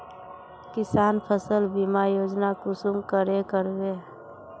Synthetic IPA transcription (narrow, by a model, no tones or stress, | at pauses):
kɪsaːnpʰəsəlbimajoːd͡ʒnakʊsʊmkəɾekəɾʋe